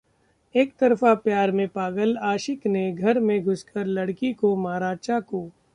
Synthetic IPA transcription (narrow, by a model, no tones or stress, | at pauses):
eːkt̪ɐɾfapjaːɾmẽpaːɡəlaːʃɪkneɡʱɐɾmẽɡʱʊskəɾlɐɽkikomaːɾaːt͡ʃakoː